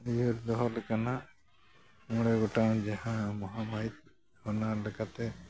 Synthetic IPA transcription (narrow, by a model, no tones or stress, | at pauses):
juɾd̪ɔɦɔlɛkana | mɔɽɛɡɔʈamd͡ʒahãmɔɦamaɦit̪̚ | hɔnaɾlɛkat̪ɛ